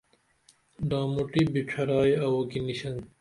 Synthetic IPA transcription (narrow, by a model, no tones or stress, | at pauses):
ɖãːmuʈiːbit͡ɕʰɐɾaːiɐwoːkiniɕɐn